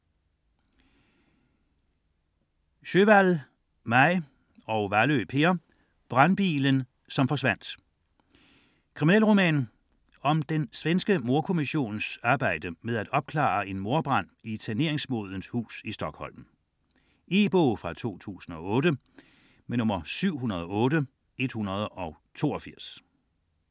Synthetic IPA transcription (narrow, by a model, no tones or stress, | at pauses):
ɕøʋæl | mɑɪ | ɒʊʋæløpʰe̝ɐ | b̥ʁɑnb̥ḭːlən | sɒ̽mfɒ̽sʋæn̰d̥ | kʰʁiminɛlʁomɛ̰ːn | ɒ̽md̥ensʋensɡ̥əmo̝ɐkʰo̝miɕo̝̰ːnsɑ̈ːb̥ɑ̈ɪ̰d̥əmeð̞ˠæd̥ɒ̽b̥̚kʰlɑ̰̈e̝nmo̝ɐb̥ʁɑ̈n̰isʰæne̝ɐ̰eŋsmo̝ð̞ˠən̩shṵːsisd̥ɒ̽ɡ̥hɒ̽l̰m̩ | e̝ːb̥ɔːfʁɑ̈t͡sʰo̝̰ːt͡sʰṵːsn̩ɒ̽ɔ̽ːdə | menɔ̽mɐsyʊ̰ɦunɐð̞ˠɒ̽ɔ̽ːɾə | e̝d̥hunɐð̞ˠəʔɒ̽ʊ | t͡sʰo̝̰ːɒfiɐ̰s